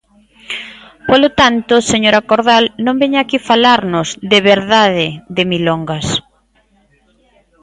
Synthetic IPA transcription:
polot̪ant̪ʊseɲoɾakoɾðalnõmbɛɲakifalaɾnʊzðɪβeɾðaðɪðɪmiloŋɡɐs

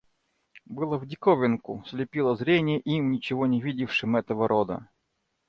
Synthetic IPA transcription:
bɨlˠəvdʲɪkovʲɪnkʊsʲlʲɪpʲilˠəzɾʲenʲɪjəʔimnʲɪt͡ɕɪvonʲɪvʲidʲɪfʂɨmɛt̪əvɐɾʔod̪ə̰

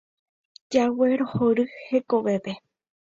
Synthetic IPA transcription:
d͡ʒawe̞ɾohoɾɨhe̞ko̞ʋe̞pe̞

